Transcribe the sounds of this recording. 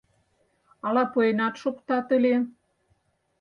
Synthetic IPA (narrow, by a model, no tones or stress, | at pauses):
ɑlɑpuenɑt̪ʃokt̪ɑt̪ə̆le